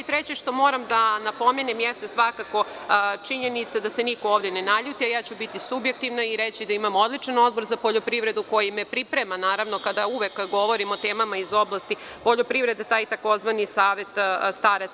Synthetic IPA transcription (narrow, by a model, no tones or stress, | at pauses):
it̪ɾet͡ɕeʃt̪o̞mo̞ːɾamd̪anapo̞menemjest̪asʋakako̞t͡ʃiɲe̞nit̪sad̪ase̞niko̞oːʋd̪ʲjenenaʎut̪iajaːt͡ɕubit̪isubjek̚t̪iʋnaiɾet͡ɕid̪aimamo̞d̪lit͡ʂano̞d̪̚bo̞ɾzapoʎopɾiʋɾe̞d̪uko̞jimepɾipɾemanaːɾaʋno̞kad̪auʋekɡo̞ʋo̞ɾimo̞t̪eːmamaizo̞blˠast̪ipo̞ʎopɾiʋɾe̞d̪et̪aːjt̪ako̞zʋanisaːʋe̞t̪st̪aːɾe